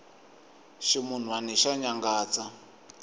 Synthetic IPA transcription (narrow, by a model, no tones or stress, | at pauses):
ʃimun̤uanɛʃaɲaŋɡaːt͡sa